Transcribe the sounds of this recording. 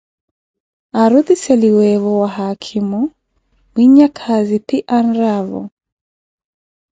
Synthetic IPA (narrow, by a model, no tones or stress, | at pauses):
aɾuðisɛliwɛβɔwaɦakʰimu | wiɲakʰazipiʔanɾavɔ̰